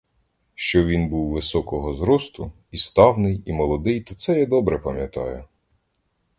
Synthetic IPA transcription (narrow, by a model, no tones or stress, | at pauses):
ʃt͡ʃɔʋʲinbuwʋɪsɔkɔɦɔzɾɔst̪ʊ | ist̪ɑwnɪjimɔlˠɔd̪ɪjt̪ɔt̪sɛjad̪ɔbɾɛpɐmʲjɐt̪ɑ̰jʊ